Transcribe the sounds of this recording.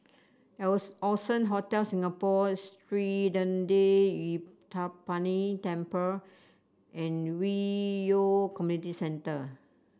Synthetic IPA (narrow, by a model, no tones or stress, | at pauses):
ɛsɔsə̃nɦotɛlsĩŋapɔstɹidə̃ndewitʰapːanitɛ̃mpə | ʔɛ̃nwiokɔmjunitisɛ̃ntə